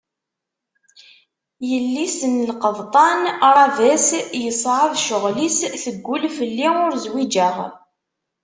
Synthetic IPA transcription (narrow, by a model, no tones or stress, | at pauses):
jəlːisənlqəðt̪ˤɑnɾˤɑvæsjəsˤʕəðʃʊʁlisθəɡʷːʊlfəlːiʊɾzwid͡ʒæʁ